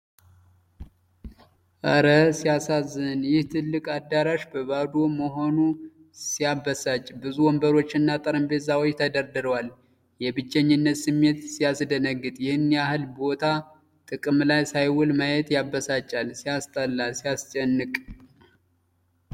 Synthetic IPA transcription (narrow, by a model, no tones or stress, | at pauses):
ʔəɾəsijasazːɨnjɪht̪ʰɨlːɨkʼad̪ːaɾaʃbəβad̪oməɦo̞nu | sijabəsat͡ʃʼbɨzuwɔmbəɾo̞t͡ʃːɪnːat̪ʼəɾəmbezawot͡ʃːt̪ʰəd̪əɾd̪ɨɾəwal | jɛbɨd͡ʒːɛɲːɪnːət̪sɨmːe̞t̪sijasd̪ənəɡːɨt̪ʼjɪhɨnjahɨlbo̞t̪ʰa | t̪ʼɨkʼɨmlajsajwʊlmajɛt̪jabːəsat͡ʃʼːalsijast̪ʼəlːasijast͡ʃʼɛnːɨkʼ